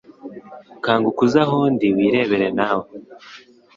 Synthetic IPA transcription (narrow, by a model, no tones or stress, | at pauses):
kaːŋɡukuzaɦondiwiːɾe̞ːβe̞ɾenawo